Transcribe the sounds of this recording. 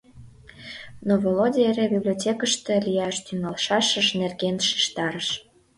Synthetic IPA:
novolodʲieɾebʲiblʲiotʲekəʃt̪ĕlʲijɑʃt̪yŋɑlʃɑʃəʃnerɣenʃi̥ʃt̪ɑɾəʃ

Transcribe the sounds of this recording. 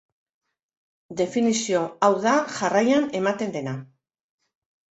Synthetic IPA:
d̪e̞finisio̞awðaʝarajane̞mat̪e̞nd̪e̞na

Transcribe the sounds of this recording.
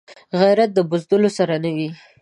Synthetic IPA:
ɣajɾat̪̚d̪əbʊzd̪əlosaɾanawi

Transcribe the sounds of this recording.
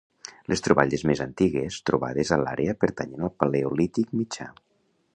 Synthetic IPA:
lʔest̪ɾuβaʎezmezant̪iɣest̪ɾuβa̰ðezəla̰ɾʔeəpəɾt̪aɲenəlˠpaleulit̪ik̚mit͡ʃa̰

